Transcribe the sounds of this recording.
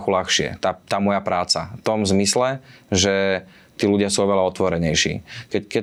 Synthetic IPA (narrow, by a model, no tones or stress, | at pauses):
xulaxʃɪɛ̰t̪at̪aːmɔjapɾaːt͡sa̰ft̪ɔmzmislɛʒɛ | t̪iːluɟɪasuɔʋɛlaɔt̪ʋɔɾɛɲɛjʃḭːkɛkɛ